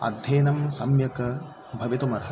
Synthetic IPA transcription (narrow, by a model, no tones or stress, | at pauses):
ɐ̰d̪ʱjeːnɐmsɐmjɐkɐ | bʱɐʋit̪umɐɾɐɦɐ